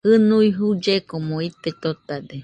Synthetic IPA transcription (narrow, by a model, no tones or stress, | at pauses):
hɨnuiɦud͡ʒekomoit̪et̪ot̪ad̪e